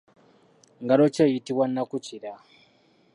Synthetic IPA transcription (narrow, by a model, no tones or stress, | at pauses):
ŋɡaɾot͡ʃeitiwanakut͡ʃiɾa